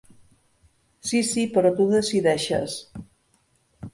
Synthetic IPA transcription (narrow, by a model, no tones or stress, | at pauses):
sisipəɾɔt̪uðəsiðɛʃə̰s